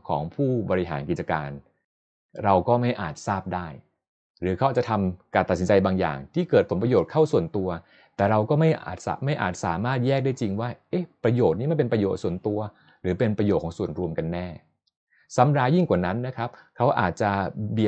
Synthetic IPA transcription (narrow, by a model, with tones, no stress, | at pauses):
kʰɔ̰ː˩˦ŋpʰuː˥˩bɔː˧ɾi˦˥ɦa̰ː˩˦nki˨˩t̪̚t͡ɕa˧kaː˧n | ɾa˧wkɔː˥˩ma˥˩jʔaː˨˩t̪̚saː˥˩p̚daː˥˩j | ɾɯː˩˦˥kʰwaː˨˩t͡ɕa˨˩t̪ʰa˧mkaː˧nt̪a˨˩si˩˦t͡ɕa˧jbaː˧ŋja̰ː˨˩ŋt̪ʰiː˥˩kɤː˨˩t̪̚ʰo˩˦npɾa˧joː˨˩t̪̚kʰa˥˩wsu˨˩ənt̪u˧ɐ | t̪ɛː˨˩ɾa˧wkɔː˥˩ma˥˩jʔa̰ː˨˩t̪̚sa̰˨˧ma˥˩jʔa̰ː˨˩t̪̚saː˩˦maː˥˩t̪̚jɛː˥˩k̚daː˥˩jt͡ɕi˧ŋwaː˥˩ʔe˦˥pɾa˧joː˨˩t̪̚niː˦˥ma˥˩npe˧npɾa˧jo̰ː˨˩t̪̚su˨˩ənt̪u˧ɐ | ɾɯː˩˦pe˧npɾa˧jo˨˩t̪̚kːɔː˩˦su˨˩ənɾu˧əmka˧nːɛː˥˩ | sa˨˦˥mɾaː˧ji˥˩ŋkwaː˨˩na˦˥nːa˦˥kʰɾa˦˥p̚kʰa˦˥wʔa̰ː˨˩t̪̚t͡ɕa˨˩bi˨˩